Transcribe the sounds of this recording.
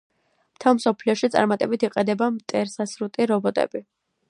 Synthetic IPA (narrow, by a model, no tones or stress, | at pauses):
m̥t̪ʰɛlˠmsɔpʰliɔʃit̪sʼa̰ɾmat̪ʼɛbit̪ʰiqʼɛd̪ɛbamt̪ʼɛɾsasɾut̪ʼiɾɔbɔt̪ʼɛ̰bi